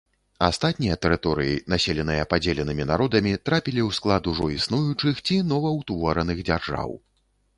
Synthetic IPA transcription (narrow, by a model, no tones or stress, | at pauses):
a̰st̪at̪̚ʲnʲijɐt̪ɛɾɨt̪ɔɾɨjḭnasʲɛlʲɛn̪ɨjɐpad͡zʲelʲɛnɨmʲinaɾɔd̪ɐmʲit̪ɾapʲilʲiwsklˠad̪uʐɔisnujut͡ʂɨxt͡sʲinɔvɐwt̪vɔɾɐnɨɣd͡zʲarʐa̰w